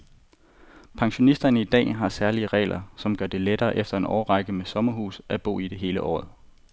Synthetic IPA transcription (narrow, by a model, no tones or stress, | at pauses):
pʰɑ̈ŋɕo̝nisd̥ɐnəid̥ɛ̰ːɦɑ̈sæɐliəʁɛ̰ːlʔɐsɒ̽mɡ̥ɶɐd̥e̝led̥ɐːʔefd̥ɐe̝nʔɒːʁɑɡ̥əmesɒ̽mɐɦṵːsæb̥o̝̰ːid̥e̝ɦe̝ːləʔɒ̰ːð̩ˠ